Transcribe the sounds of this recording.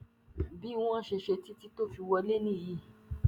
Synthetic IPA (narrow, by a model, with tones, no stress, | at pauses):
bi˨˦w̃ã˦˨ʃe˧ʃe˧ti˦ti˦to˦˨fi˧wɔ˧le˦nĩ˦˨ji˦˨